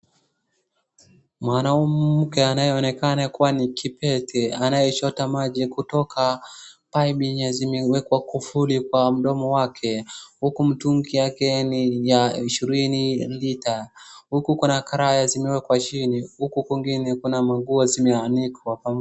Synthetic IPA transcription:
mwanaumm̩kɛanajɛɔnɛkanakuwanikipɛtʰɛanajɛt͡ʃɔtamaʄikutɔkʰapaiɓiɲazimɛwɛkwakufulikwam̩ɗɔmɔwakʰɛhukum̩tuŋɡijakɛnijaiʃiɾinilitahukukunakaɾajazimɛwɛkwat͡ʃinihukukiŋɡinɛkunamaɡuɔzimɛanikwapam

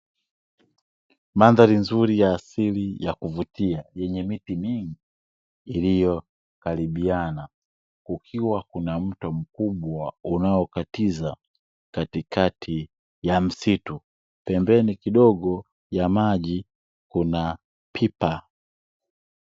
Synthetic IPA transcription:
manðalinzuɾijaːsilijakuvutiajɛɲɛmitimiŋɡiː | lijɔ | kaliɓiana | kukʰiwakunam̩tɔm̩kuɓwaunaɔkatiza | katikatʰi | jam̩situ | pɛmbɛnikiɗɔɡɔ | jamaʄi | kuna | pʰipa

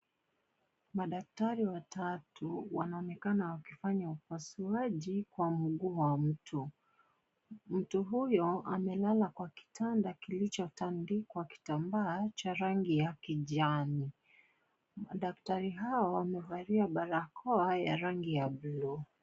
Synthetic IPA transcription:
maɗak̚taɾiwatatuwanaɔnɛkanawakifaɲaupasuaʄikwam̩ɠuːwam̩tʰu | m̩tuɦujɔamɛlalakwaki̥tʰandakilit͡ʃɔtandikwaki̥tambaːt͡ʃaɾaŋɡijakiʄani | maɗaktaɾiɦaɔwamɛvaɾiaɓaɾakʰɔajaɾaŋɡijablɔ

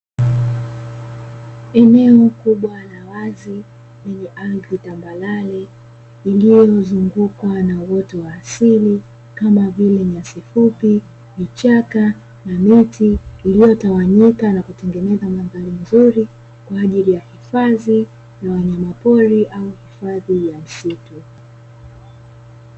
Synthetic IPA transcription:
ɛnɛɔkuɓwanawazi | nɛɲiʔalðitambalalɛ | ilijɔzuŋɡukanawɔtɔwaːsili | kamavilɛɲasifupi | mit͡ʃaka | namitiilijɔtawaɲikanakutɛŋɡɛnɛzamaŋɡalin̩zuɾi | kwaːʄilijahifaði | jawaɲamapɔɾiʔauhifaðijam̩situ

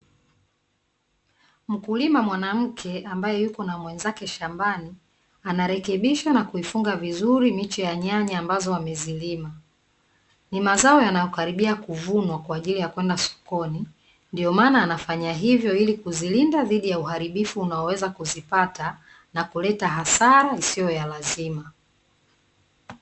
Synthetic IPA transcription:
m̩kulimamwanam̩kʰɛambajɛjukɔnamwɛnzakɛʃambani | anaɾɛkɛɓiʃanakuifuŋɡavizuɾimit͡ʃɛjaɲaɲiambazɔamɛzilima | nimazaɔjanajɔkaɾiɓiakuvunwakwaːʄilijakwɛndasɔ̥kɔni | ndiɔmaːnaːnafaɲaɦivjɔilikuzilindaðiɗijauɦaɾiɓifuːnaɔwɛzakuzipata | nakulɛtaɦasaɾaisijɔjalazima

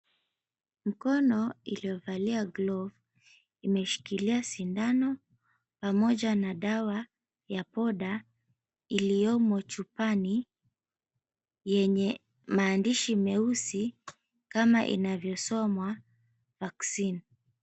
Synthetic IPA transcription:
m̩kɔnɔilijɔvaliaɡlɔv | imɛʃi̥kiliasindanɔ | pamɔʄanaɗawa | japɔɗa | ilijɔmɔt͡ʃupani | jɛɲɛ | maːndiʃimɛusi | kamaʔḭnavjɔsɔmwa | vaksin

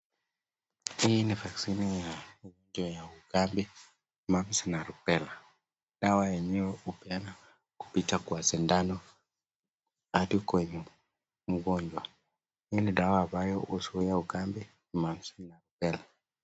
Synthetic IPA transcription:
inifaksinijamuɡɔɲd͡ʒwajaukambi | mamsinaɾupɛla | ɗawajɛɲɛwɛupɛna | ku̥pitakwasɛndanɔ | aɗikwɛɲu | muɡɔɲd͡ʒwa | iniɗawaːbajɔʔɔsuijauɡambi | mamsinaɾupɛla

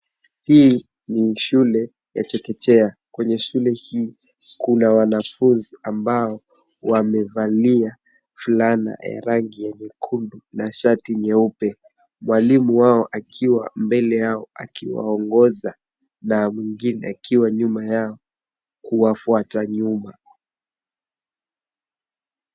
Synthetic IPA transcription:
hi | niʃulɛ | ja̰t͡ʃɛkɛt͡ʃɛa | kwɛɲɛʃulɛhiː | kunawanafunziambaɔ | wamɛvalia | fulana̰ja̰ɾaŋɡijɛɲɛkʰundunaʃatiɲɛupɛ | mwalimuwaɔʔakʰiwa̰mbɛlɛjaɔa̰kiwa̰ɔŋɡɔza | namwiŋɡinɛ̰akʰiwaɲumajaɔ | kuwafuataɲuma

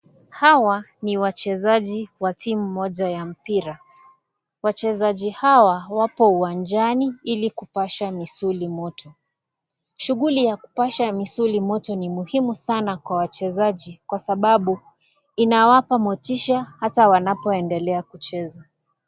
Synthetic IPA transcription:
hawaniwat͡ʃɛzaʄiwatimumɔʄajam̩piɾa | wat͡ʃɛzaʄihawawapɔuwand͡ʒaniilikupaʃamisulimɔtʰɔ | ʃuɣulijaku̥paʃamisulimɔtɔnimuhimusanakwawat͡ʃɛzaʄikwasaɓaɓu | inawapamɔtiʃahatawanapɔɛndɛlɛakut͡ʃɛza

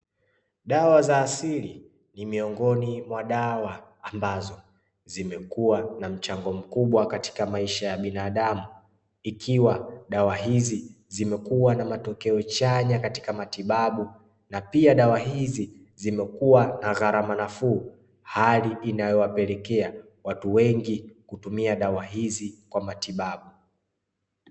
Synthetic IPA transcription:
ɗawazaːsili | nimiɔŋɡɔnimwaɗawaːmbazɔ | zimɛkuwanam̩t͡ʃaŋɡɔm̩kuɓwakati̥kamaiʃajaɓinaːɗamu | ikiwaɗawaɦizi | zimɛkuwanamatɔkɛɔt͡ʃaɲakati̥kamatiɓaɓu | napiaɗawaɦizi | zimɛkuwanaɣaɾamanafuː | haliʔinajɔwapɛlɛkɛa | watuwɛŋɡikutumiaɗawaɦizikwamatiɓaɓu

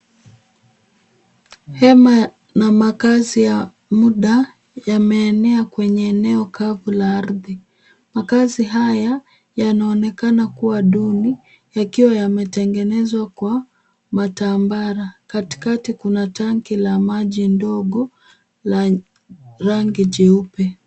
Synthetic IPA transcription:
hɛma | namakazija | muɗa | jamɛːnɛakwɛɲɛːnɛɔkavulaaɾði | makaziɦaja | janaɔnɛkanakuwaɗuni | jakiwajamɛtɛŋɡɛnɛzwakwa | matambaɾakati̥katikunataŋkilamaʄindɔɠɔ | la | ɾaŋɡid͡ʒɛupɛ

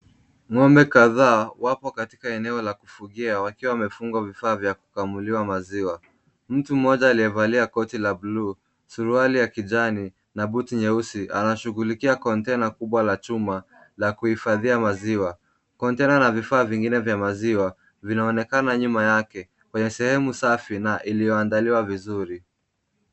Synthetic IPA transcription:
ŋɔmbɛkaðaːwapɔkati̥kaɛnɛɔlaku̥fuɠiawakiwawamɛfuŋɡwavifaːvjaku̥kamuliwamaziwa | m̩tum̩ɔʄaːliɛvaliakɔtilabluː | suɾualijakiʄani | nabutiɲɛusiʔanaʃuɣulikiakɔntɛnakuɓwalat͡ʃuma | lakuhifaðiamaziwa | kɔntɛnanavifaːviŋɡinɛvjamaziwa | vinaɔnɛkanaɲumajakɛ | kwɛɲɛsɛhɛmusafinaʔilijɔandaliwavizuɾi

